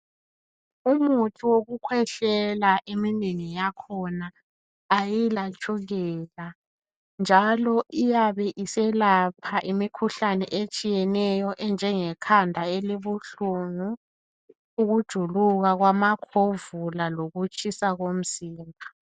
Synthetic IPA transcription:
umutʰʼuwoɣukʰwɛɬɛlaʔemineŋijakʰɔnaː | jilat͡ʃʼuɣɛla | nd͡ʒʱalɔʔijaβɛʔisɛlapʰaʔimikʰuɬanɛʔet͡ʃʼijɛnɛjɔʔɛnd͡ʒʱɛŋɛkʰandʱaeliβuɬuŋu | uɣud̥ʒ̥ʱuluɣaɣwamakʰovulaloɣut͡ʃʼisaɣom̩ziːmbʱa

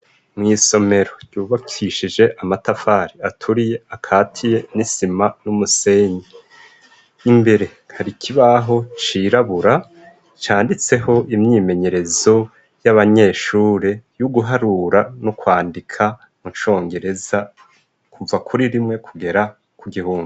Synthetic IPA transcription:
mŋiːso̞me̞ɾo̞ɟ̥uːβakʰiʃid͡ʒe̞ʔamatafaːɾiatʰuɾijeakʰaːtʰije̞nisimanumuse̞ːɲe | imbe̞ɾe̞ | haɾikʰiβaɦo̞t͡ʃiːɾaβuɾa | t͡ʃaːndit͡se̞ɦo̞ʔimɲiːme̞ɲe̞ɾe̞zo̞ | jaβaɲe̞ːʃuːɾe̞juɡuɦaɾuɾanukwaːndikʰa | mut͡ʃo̞ːŋɡe̞ɾe̞za | kʰuvakʰuɾiɾimŋe̞kʰuɡe̞ɾa | kuɡihuːndu

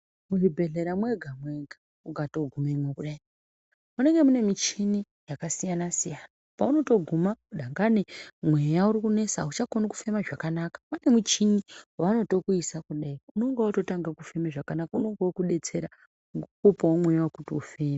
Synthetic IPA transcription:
uribʱe̞ɮe̞ɾamwe̞ɡʱamwe̞ɡʱa | uɡʱatoɡʱumemokuɗai | une̞ŋɡe̞mune̞mit͡ʃini | jakasijanasijanapauno̞to̞ɡʱumakuɗaŋɡanemwe̞jauɾikune̞sa̰ut͡ʃakonuku̥fe̞maʐakanakḁpane̞mut͡ʃiniwauno̞to̞kuisakuɗaiuno̞ŋɡaoto̞taŋɡakufe̞meʐakanakauno̞ŋɡaokuɗe̞t͡se̞ɾa | ɡukupawomwe̞jawokutiufeːme

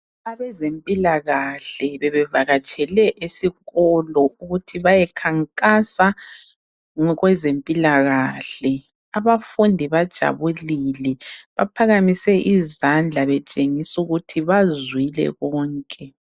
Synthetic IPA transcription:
aβɛzempʼilaɣaɬɛβɛβɛvaɣat͡ʃʼɛlɛʔesiɣɔlɔuɣutʰiβajɛkʰaŋkʼasa | ŋɔɣwɛzempʼilaɣaɬɛ | aβafundʱiβad̥ʒ̥ʱa̰βulilɛβapʰaɣamisɛʔizand͡ɮʱaβɛt͡ʃʼeŋisuɣutʰiβazwilɛ̰ɣɔːŋkʼɛ

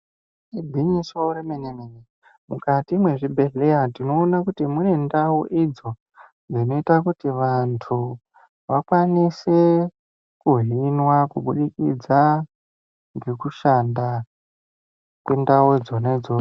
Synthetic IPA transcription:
ibʱiɲisouɾemenemene | mukatimwe̞ʐibʱe̞ɮe̞jatino̞ːnakutimune̞ndawuʔid͡zo̞ | nd͡zino̞itakutiʋantʰu | ʋakwanise | kuɦinwakuɓuɗikḭd͡za | ŋɡe̞kuʃanda | kwendawed͡zoned͡zoː

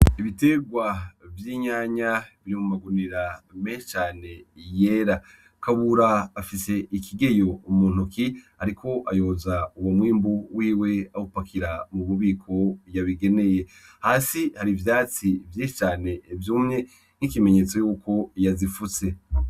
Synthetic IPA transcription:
iβite̞ɡwavjiɲaːɲaβiɾimumaɡuniɾameːʃe̥t͡ʃaːne̞je̞ːɾa | kaβuɾaːfise̞ʔikʰiɡe̞jo̞umuːn̥ukihaɾikʰo̞ʔajozauwomwiːmbuwiːwe̞ahupakʰiɾamuβuβiːkʰo̞jaβiɡe̞ne̞je̞haːsihaɾivjaːt͡sivjiʃe̥t͡ʃaːne̞vjuːmŋe̞ | nŋ̥ikime̞ɲe̞t͡so̞juːkʰo̞jazifuse̞

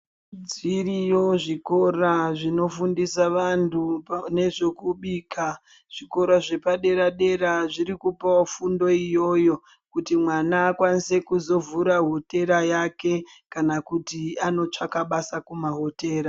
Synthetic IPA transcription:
d͡zirijo̞ʐiko̞raʐino̞fundisaʋantune̞ʐe̞kuɓiːka | ʐ̥iko̞ɾaʐe̞paɗe̞ɾaɗe̞ɾaʐiɾikupaofundo̞ijo̞jo̞ | kutimwanaːkwanise̞kuzo̞vuɾaɦo̞te̞ɾajake̞ | kanakutiano̞t͡ʂakaɓasakumaɦo̞te̞ːɾa

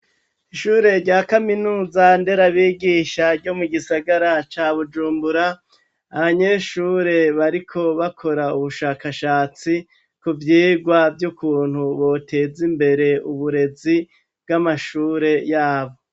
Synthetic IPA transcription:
iʃuːɾe̞ɾɟaːkaminuːzande̞ɾaβiːɡiːʃaɾɟo̞muɡisaɡaɾat͡ʃaβud͡ʒuːmbuɾaː | βaɲe̞ʃuːɾe̞βaɾikʰo̞βakʰo̞ɾauβuʃaːkaʃaːt͡si | kuvjiːɡwavjukuːn̥huβo̞tʰe̞zimbe̞ɾe̞uβuɾe̞zi | b̚ɡamaʃuːɾe̞jaːβo̞

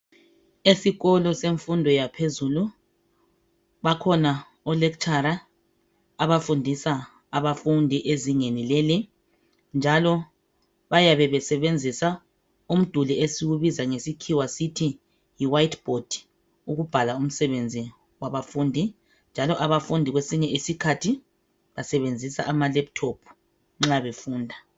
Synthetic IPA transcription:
esiɣɔlɔseɱfundʱɔjapʰezulu | βakʰɔna | ɔlek̬t͡ʃʰʼaɾa | aβafundʱisa | aβafundʱiʔeziŋenileli | nd͡ʒʱalɔ | βajaβɛβɛsɛβend͡zʱisa | um̩d̥ʱuliesiwuβizaŋesikʰiwasitʰi | jiwajtb̥ʱod̥ʱi̥ | uɣub̥ʱalaum̩sɛβend͡zʱi | waβafuːndʱi | nd͡ʒʱalɔʔaβafundʱiɣwesiɲɛʔisikʰatʰi | βasɛβend͡zʱisa̰ʔamalɛp̚tʰopʰu̥ | ŋ͡ǁaβefuːndʱa

